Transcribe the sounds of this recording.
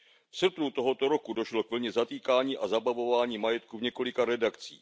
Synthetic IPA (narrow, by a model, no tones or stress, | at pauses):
fsr̩pnut̪o̞ɦo̞t̪oɾo̞kudo̞ʃlokvl̩ɲɛzat̪iːkaːɲiːʔazabavo̞vaːɲiːmajɛt̪kuvɲɛko̞lɪkaɾɛdakt͡sḭː